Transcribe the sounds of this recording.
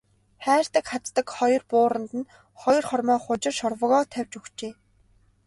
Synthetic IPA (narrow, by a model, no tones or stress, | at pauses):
χæːr̥t̪ə̆kχat͡s̪ːə̆kχɔjɞ̆rpʊːɾə̆nt̪ɘ̆n | χɔjɞ̆rχɔrmœːχʊt͡ɕɪ̆rʃɔrwə̆ʁɔːt̪ʰæwʲt͡ɕuxt͡ɕeː